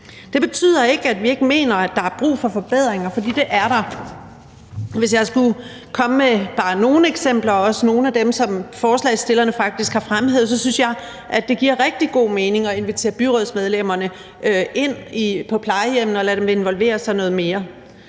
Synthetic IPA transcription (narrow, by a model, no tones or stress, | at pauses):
d̥e̝b̥e̝t͡sʰy̰ð̞̰ˠɐe̝ɡ̥æd̥ʋie̝ɡ̥əme̝̰ːnɐæd̥ɑ̈æɐb̥ʁṵːfɒ̽fɒ̽b̥eð̞̰ˠʁeŋɐfɒ̽d̥ḭːd̥e̝ʔæɐɾɑ̈ | ʋe̝s̬jɑ̈ɪsɡ̥u | kʰɒ̽məmeb̥ɑ̈ːno̝ːn̩eɡ̥sem̰b̥lɐɒ̽səno̝ːn̩æd̥emsɒ̽mfɒːslɛ̰ɪsd̥e̝lɐnəfɑ̈ɡ̥̚d̥isɡ̥hɑ̈fʁamhe̝ð̞̰ˠs̬ɒ̽synsjɑ̈ɪ | ʔæd̥e̝ɡ̥iɐ̰ʁɛɡ̥̚d̥iɡ̥o̝̰ːmeːne̝ŋɒ̽e̝nʋit͡sʰe̝̰ːɐb̥yʁɔðˠsmeðˠlem̰ɐnə | ʔøʔe̝n̰ipʰɒ̽pʰlɑ̈ɪəjem̰nəɒ̽læɾ̥emʋee̝nʋɒ̽lʋe̝̰ːɐsɑ̈ɪnɔ̽ːð̩ˠme̝ːɐ